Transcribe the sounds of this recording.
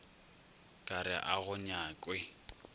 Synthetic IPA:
kʼaɾɪʔaɣʊɲaːkʼwɛ

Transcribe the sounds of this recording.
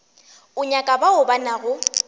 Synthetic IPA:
ʊɲakʼabaʊbanaɣʊ

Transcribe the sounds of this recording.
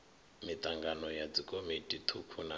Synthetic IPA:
mit̪ʼaŋɡanɔjad͡zikʼomitʼit̪ʰukʰuna

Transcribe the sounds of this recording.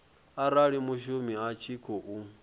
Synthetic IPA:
aɾaɺimuʃumiat͡ʃʰikʰɔʔu

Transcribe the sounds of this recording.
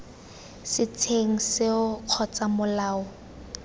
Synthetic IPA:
sɪtʰeŋ̩sɪʊq͡χʰɔt͡sʼamʊlaːʊ

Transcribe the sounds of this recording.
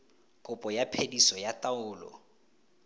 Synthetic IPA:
kʼʊpʼɔjapʰedisɔjatʼaʊːlɔ̰

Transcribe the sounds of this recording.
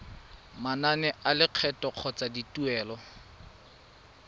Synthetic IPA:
mananɛʔalɪq͡χʰɛtɔq͡χʰɔt͡saditʼuɛːlɔ

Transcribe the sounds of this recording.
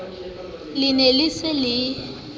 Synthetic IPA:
lɪnelisɪlɪ

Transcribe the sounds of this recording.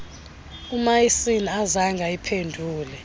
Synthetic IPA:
umajisiniazaŋɡʱaipʰendʱuːlɛ

